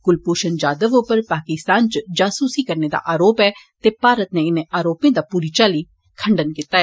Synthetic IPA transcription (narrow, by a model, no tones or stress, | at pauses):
ɡʊlpuːʃənd͡ʒaːd̪əʋoːpəɾpaːkɪst̪aːnt͡ʃd͡ʒaːsuːsiːkəɾneːd̪a̰ːʔaːɾoːpɛːt̪eːpaːɾət̪nẽːɪnẽːʔaːɾoːpẽːd̪aːpuːɾiːt͡ʃaːliː | kʰəɳɖənkɪːt̪aːɛː